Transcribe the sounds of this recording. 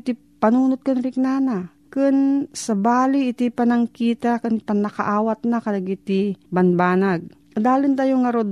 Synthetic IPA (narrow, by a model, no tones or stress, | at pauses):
t̪i | pɐnuːnot̪̚kʊnɾɪk̚nana | kʊnsɐbaːliʔɪt̪ɪpɐnɐŋkiːt̪akʊnpɐnɐkaʔaːwat̪nakɐlaɡʔɪt̪ɪbɐnbaːnaɡ̚ | d̪aːlɪnt̪ajoŋːɐɾod̪